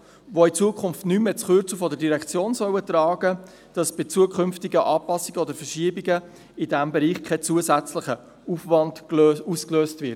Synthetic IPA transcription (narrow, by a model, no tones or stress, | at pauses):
ʋoɪt͡suəkχʊnftnyːmet͡sχøːɾt͡sufɔdəɾdiɾɛkt͡sjoːnsœwətrɑːɡ̥ə | d̥ɑsb̥ɪt͡suəkχʏnftɪɡəʔɑːpɑsɪɡ̥əɔdəɾfəʃiəbiɡə | ɪdæmbɛɾiːχkʰɛt͡suːəsæt͡sləχə | ufvɑndøuskløːstvɪt